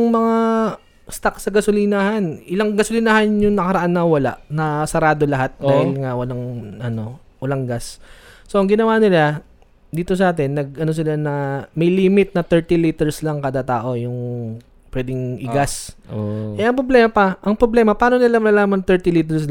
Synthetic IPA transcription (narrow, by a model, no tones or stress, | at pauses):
ŋmɐŋa | st̪ak̚sɐɡɐsolinahanʔɪlaŋɡɐsʊlinahanjʊŋnɐkɐɾɐʔanːɐwɐla̰ʔnɐsɐɾaːd̪olɐɦat̪̚d̪aːhɪlŋawɐlaŋʔɐno̞ | ʔʊlɐŋɡasso̞ʔɐŋɡɪnɐwaːnɪla | d̪iːt̪o̞s̬ɐʔaːt̪̬ɛnːɐɡ̚ɐno̞s̬ɪlanɐmɐjliːmɪt̪̚nɐt̪ɛɹt̪ɪliːt̪ɛɹslɐŋkaːd̪ɐt̪aːʔo̞jʊŋ | pwɛd̪ɪŋʔɪ̰ɡas | ʔɛʔɐŋpɾoblɛːmɐpɐʔɐŋpɾoblɛːmɐpaːnonɪlamɐnɐlaːmɐŋt̪ɛɹt̪ɪliːt̪ɛɹs